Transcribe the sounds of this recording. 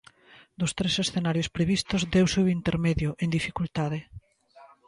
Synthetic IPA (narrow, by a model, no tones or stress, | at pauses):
d̪ʊst̪ɾesesθenaɾjʊspɾeβist̪ʊzd̪ewseuint̪eɾmeðjʊʔend̪ifikult̪aðe